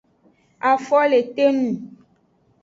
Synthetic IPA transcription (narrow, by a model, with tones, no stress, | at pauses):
a˨fɔ˦le˨t̪e˦nũ˨